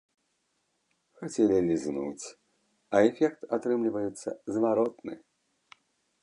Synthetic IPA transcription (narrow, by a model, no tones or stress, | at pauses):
xat͡sʲɛlʲilʲiznṵt͡sʲ | ɐɛfʲɛk̚t̪at̪ɾɨmlʲivɐjut̪sːɐ̰zvaɾɔt̪nɨ̰